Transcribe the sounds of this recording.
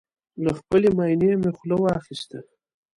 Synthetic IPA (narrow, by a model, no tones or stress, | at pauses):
laxpəlemajnemexlawɑxist̪a